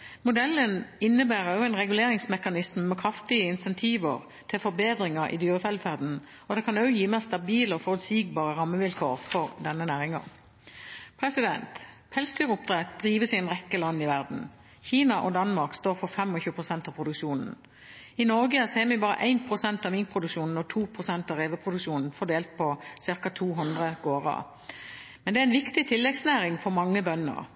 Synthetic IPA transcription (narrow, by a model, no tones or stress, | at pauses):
mʊd̪ɛlːənɪnːəbæːʁəjʊæɪnʁɛɡʉleːʁɪŋsmɛkɑnɪsmmɛkʰʁɑft̪ɪəɪnsɛnt̪ʰiːʋə̰ʁ | t̪ʰɪlfɔbeːd̪ʁɪŋəɾʔɪ̰d̪yːʁəfɛld̪fæʁd̪n̩ | ɔd̪ɛkʰɑnœʊjiːmeːst̪ɑbiːləɔfɔʁʉt̪siːɡ̚bɑːʁəʁɑmːəʋɪlkʰoːʁfɔʁd̪ɛnːənæːʁɪŋɑ̰n | pʰʁɛsɪd̪ɛnt̪ | phɛlsd̪yːʁəʊp̚d̪ʁɛt̪̚d̪ɾiːʋəsɪɛnʁɛkːəlɑnːɪʋæʁd̪n̩ | çiːnɑʔɔd̪ɑnmɑʁkst̪oːʁfɔfɛmɔçʉːəpʰʁʊsɛnt̪ɑːpʰʁʊd̪ʉkʃuːnn̩ | ɪnɔɾɡəɑseːmɪbɑːʁə̰ʔæɪnpʰʁʊsɛnt̪ɑʋmɪŋkpʰʁʊd̪ʉkʃuːnn̩ɔt̪ʰuːpʰʁʊsɛnt̪ɑʁeːʋəpʰʁʊd̪ʉkʃuːnn̩fɔd̪eːlt̪̚pʰɔsɪʁkɑt̪ʰuːɦʊnd̪ʁəɡ̥oːʁɑ̰ | mɛnd̪ɛæɛɪnʋɪkt̪ɪt̪ʰɪlːɛɡsnæːʁɪŋfɔʁmɑŋːəbœnːə̰ʁ